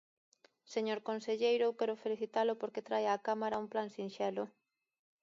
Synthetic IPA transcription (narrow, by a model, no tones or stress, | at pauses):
seɲoɾkonseʎejɾokɛɾʊfeliθit̪alʊpoɾket̪ɾajaːkamaɾaumplansinʃɛlʊ